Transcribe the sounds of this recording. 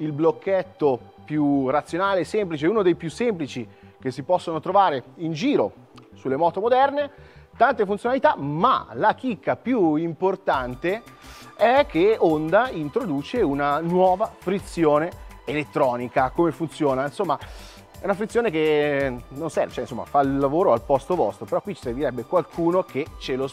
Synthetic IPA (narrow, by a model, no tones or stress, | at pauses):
ilblokʰːet̪ːo | pjurat̪sːjonaːlesemplit͡ʃeuːnod̪ejpjusːemplit͡ʃik̟esːipɔsːonot̪ɾovaːɾeind͡ʒiːɾo | sulːemɔːt̪omod̪ɛrnet̪ant̪efunt̪sjonalit̪ama̰lak̟ikːapjuimport̪ant̪e | ɛkʰːeond̪aint̪ɾod̪uːt͡ʃeunanwɔːvafɾit̪sjoːne | elet̪ːɾɔːnikakomefunt̪sjoːnainsomːa | ɛunafɾit̪sjoːneke | nonsɛ̰rvet͡ʃɛinsomːa̰faillːavoːɾoalpɔst̪ovɔst̪ɾopeɾɔkːwit͡ʃːiserviɾɛbːekwalkʰuːnoket͡ʃelo